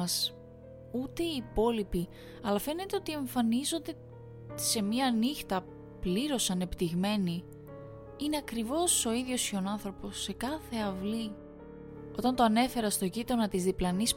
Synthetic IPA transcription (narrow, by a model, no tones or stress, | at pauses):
ɐs | ut̪e̞iːpo̞lipi | ɐlɐfe̞ne̞t̪e̞ot̪ie̞ɱfɐnizo̞nd̪e̞ | se̞mɐnixt̪ɐ | pliɾo̞sɐne̞pt̪iɣme̞ni | ine̞ɐkɾivo̞so̞iðʝo̞sçonɐnθɾo̞po̞sːe̞kɐθe̞ɐvli | o̞t̪ɐnt̪oɐne̞fe̞ɾɐst̪o̞ʝit̪ɾonɐt̪izðiplɐnis